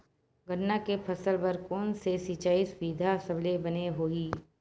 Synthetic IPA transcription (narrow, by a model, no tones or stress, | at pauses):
ɡənːakepʰɐsəlbɐɾkɔːnsesiːt͡ʃaːisʊʋiːd̪ʱasɐblebɐneɦoːiː